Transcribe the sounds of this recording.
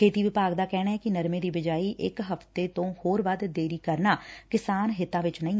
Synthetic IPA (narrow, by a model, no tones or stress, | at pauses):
kʰeːt̪iːʋɪpaːɡd̪aːkɛːnaːɦɛkinəɾmẽːd̪iːbɪd͡ʒaːiːʔɪkɦəft̪et̪õːhoːɾʋəd̪d̪eːɾiːkəɾnaːkɪsaːnɦɪt̪ãːʋɪt͡ʃnəĩː